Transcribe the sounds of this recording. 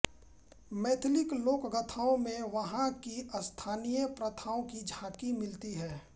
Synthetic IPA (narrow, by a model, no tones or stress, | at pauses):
mɛːt̪ʰlɪkloːkɡət̪ʰaːõmẽʋɐɦãkiəst̪ʰaːnijəpɾɐt̪ʰaːõkid͡ʒʱaːkimɪlt̪iɦɛː